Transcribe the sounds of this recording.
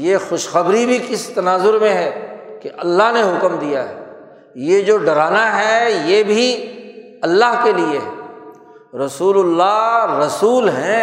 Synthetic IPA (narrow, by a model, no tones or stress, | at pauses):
jexʊʃxɐbɾibʱikɪst̪ɐnaːzʊɾmẽɦɛːkeʔɐlːaɦneɦʊkmd̪ijaɦɛː | jed͡ʒoːɖɐɾaːnaɦɛjebʱi | ɐlːaɦkelie | ɾɐsuːlʊlːaɦɾɐsuːlɦɛ̃ː